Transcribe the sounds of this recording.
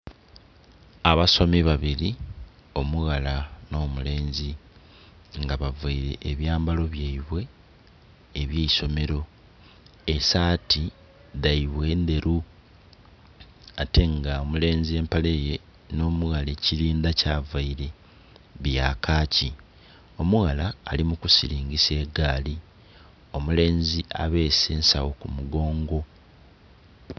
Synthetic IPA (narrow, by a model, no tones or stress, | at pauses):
aβaso̞miβaβiɾi | o̞muɣalano̞ːmule̞ːnzi | ŋɡaβavaiɾe̞ʔːβjaːmbalo̞βjaiβwe̞ | βjeiso̞me̞ɾo̞ | esaːti | ðaiβwe̞ːnd̪e̞ɾu | ate̞ŋɡaomule̞ːnzie̞ːmpale̞je̞ | no̞ːmuɣale̞ciɾiːnd̪acaːvaiɾe̞ | βjaːkaːci | o̞muɣalaːlimukusiɾiːŋɡise̞ːɡaːli | o̞mule̞ːnzia̰βe̞ːse̞ːnsawo̞kumuɡo̞ːŋɡo̞